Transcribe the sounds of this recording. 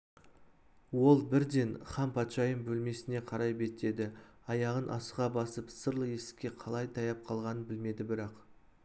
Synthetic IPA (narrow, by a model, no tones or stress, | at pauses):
wo̞lˠbɪɾd̪e̞nχɑmpʰɑt̪ʃɑjəmbɵlme̞sɪne̞qʰɑɾɑjbe̞t̪e̞d̪ɪ | ɑjɑʁənʔɑsəʁɑbɑsəpsəɾlˠəe̞sɪ̥kʲːe̞qʰɑlˠɑjt̪ʰɑjɑp̚qʰɑlˠʁɑnənbɪlme̞d̪ɪbɪɾɑq